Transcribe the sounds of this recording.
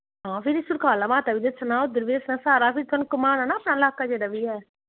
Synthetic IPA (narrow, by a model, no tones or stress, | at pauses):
ɦãːpʰɪɾɪsʊɾkaːlaːmaːt̪abid̪esʰənaːod̪ɪɾʋeːsnaːsaːɾaːpʰɪɾt̪ənkʊmaːnɛːnaəpnaːɪlaːkaːd͡ʒeːɽaːbiːɛː